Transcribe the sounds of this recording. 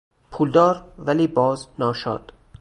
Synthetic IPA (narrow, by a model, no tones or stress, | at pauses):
pʰuːld̪ɒːɾvæliːbɒːznɒːʃɒ̰ːd̪̥